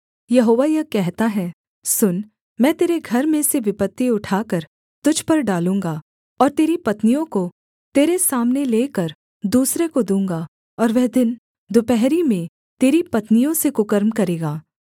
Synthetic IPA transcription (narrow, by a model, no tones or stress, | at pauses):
jɐɦoːʋajɐkɛɦt̪aɦɛː | sʊn | mɛ̃ːt̪eːɾeɡʱɐɾmẽseʋɪpət̪ːiʊʈʰaːkəɾ | t̪ʊd͡ʒʱpɐɾɖaːlũːŋɡa | ɔːɾt̪eːɾipɐt̪nijõko | t̪eːɾesaːmneleːkəɾ | d̪uːsɾekod̪ũːŋɡa | ɔːɾʋɛɦd̪ɪn | d̪ʊpɛɦɾimẽ | t̪eːɾipɐt̪nijõsekʊkəɾmkɐɾeːɡaː